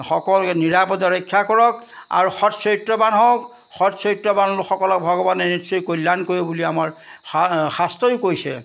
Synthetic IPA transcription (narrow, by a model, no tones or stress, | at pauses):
xɔkɔlkniɹapɔtɔɹɔkʰːakɔɹɔk̚a̰ɹuxɔtsɔjtɹɔbanɦɔk | xɔtsɔjtɹɔbanɔluxɔkɔlɔk̚bʱɔɡɔbanɛnitsɔjkolːankoɹibuliamaɹ | xastɔjʊkojsɛ̰